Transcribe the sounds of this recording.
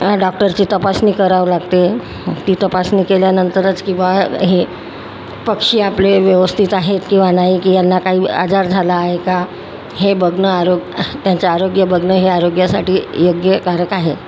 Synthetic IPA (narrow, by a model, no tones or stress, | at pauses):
ɖɔk̚ʈəɾt͡ɕiːt̪əpasniːkəɾaʋlaɡt̪e | t̪iːt̪əpasniːkeljanənt̪əɾət͡skĩw̃ʋaɦe | pəkʂiːapleʋjəʋəst̪ʰit̪aɦet̪kĩw̃ʋanaɦikiːjanːakaɦiːa̰d͡zaɾd͡zʱalaːɦeka | ɦebʱəɡnəaɾoɡt̪jaɲt͡ɕaaɾoɡjəbʱəɡnəɦeaɾoɡjasaʈiːjoɡjəkaɾəkaɦe